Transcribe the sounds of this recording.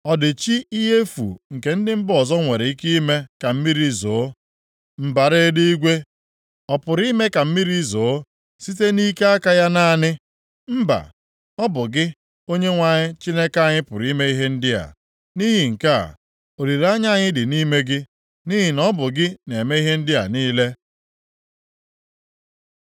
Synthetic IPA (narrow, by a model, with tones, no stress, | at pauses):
ɔ˨dɪ˨t͡ʃi˦i˦ɦe˦fṵ˨ŋ̩˨ke˨˦n̩˦dɪ˦m̩˦bɔ˨zɔ˦ŋʷe˨ɾe˨i˦ki˦i˦me˦ka˨m̩˦mi˦ɾi˦zoː˨˦ | m̩˨ba˨ɾe˦di˦ɡʷe˦ | ɔ˨pʊ˨ɾi˦me˦ka˨m̩˦mi˦ɾi˦zo˨˦ | si˦te˦ni˦ke˦a˦ka˦ja˦na˦˨nɪ˦ | m̩˦ba̰˨ | ɔ˦bʊ˨ɡɪ˦ | o˦ɲe˦ŋʷa˨ɲɪ˦t͡ʃi˦ne˦ka˦˨ɲɪ˦pʊ˨ɾi˦me˦i˦ɦe˦n̩˦dɪ˦a̰˨ | ni˦ɦɪ˨ŋ̩˨ka̰˦˨ | o˨ɾi˨ɾa˦ɲa˦˨ɲɪ˦dɪ˨ni˦me˦ɡɪ˦ | ni˦ɦɪ˨nɔ˦bʊ˨ɡɪ˦ne˨me˦i˦ɦe˦n̩˦dɪ˦a̰˨niː˦le˦